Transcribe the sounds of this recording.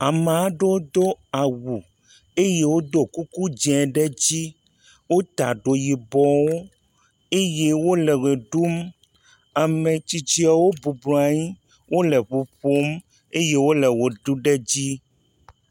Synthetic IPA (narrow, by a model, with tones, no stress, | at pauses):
a˨me˨a˦ɖo˦d̪o˦a˨wu˨ | e˦je˦wo˦d̪o˦ku˦ku˦d͡ʒɛ̃˨ɖɛ˦d͡ʑi˦ | wo˦t̪a̰˨ɖo˨ji˨bɔ˨wo˦ | e˦je˦wo˦lɛ˨ɣe˨ɖu˦m | a˨mẽ˨t͡ɕi˨t͡ʃi˦a˨wo˦bu˨blɔ˨a˨ɲĩ˦ | wʔo˦lɛ˨ɸu˨ɸo˦m | e˦je˦wo˦lɛ˨wo˨ɖu˦ɖɛ˦d͡ʑi˦